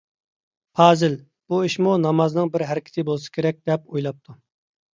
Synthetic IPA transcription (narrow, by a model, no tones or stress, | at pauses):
pʰɑːzɪl | b̥uiʃmunɑmɑznɨŋbɪɾɦæɾɪkʲʰɪ̥t̪ʰɪbolˠsɨ̥kʲʰeɾɛk̚ʲd̪ɛpojlˠɑp̚t̪ʰu